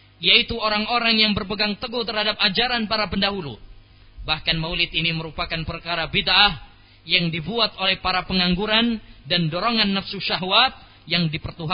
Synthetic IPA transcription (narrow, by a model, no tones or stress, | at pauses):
jait̪uoɾaŋoɾaŋjaŋbərpəɡaŋt̪əɡuht̪ərhadap̚ad͡ʒaɾanpaɾapəndaɦulṵ | bahkanmaulɪt̪iniməɾupakanpərkaɾabid̪ʔah | jaŋdibuat̪̚olɛhpaɾapəŋaŋɡuɾandandoɾoŋanːafsuʃaɦwat̪̚ | jaŋdipərt̪uɦ